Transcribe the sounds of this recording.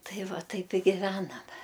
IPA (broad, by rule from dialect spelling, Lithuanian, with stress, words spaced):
ˈtɐɪ ˈʋɐ ˈtɐɪp ɪ ɡʲɪˈʋʲæːnɐmʲɛ